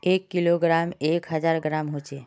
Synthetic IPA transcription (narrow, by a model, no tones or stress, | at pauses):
ekːiloɡɾameːkɦəd͡ʒaɾɡɾamɦot͡ʃeː